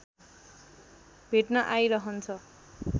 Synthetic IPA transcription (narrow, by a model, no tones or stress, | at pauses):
b̥ʱeʈnʌʔajɾʌɦʌnt͡sʰʌ